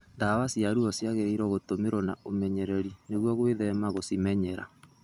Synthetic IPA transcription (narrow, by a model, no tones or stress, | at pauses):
ndawasiaɾuɔsjaɣeiɾɔɣotomeɾɔna̰omɛɲɛɾɛɾineɣwɔɣweðɛmaɣosimɛɲɛɾa̰